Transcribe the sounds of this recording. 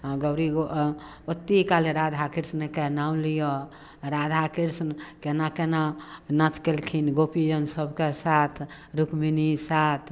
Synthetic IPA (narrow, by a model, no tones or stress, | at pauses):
ãɡəʊɾio | ot̪ːikaleɾad̪ʱakiɾsnkenaũlijɔ | ɾad̪ʱakiɾsnkenakenanat̪ʰkelkʰinɡopid͡ʒənsəbʱkesat̪ʰ | ɾukminisat̪ʰ